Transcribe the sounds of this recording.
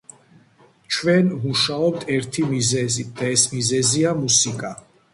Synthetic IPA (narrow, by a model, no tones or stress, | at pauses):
t͡ʃʰwɛnmuʃaɔp̚t̪ʰɛɾt̪ʰimizɛzit̪̚d̪aɛsmizɛziamusikʼa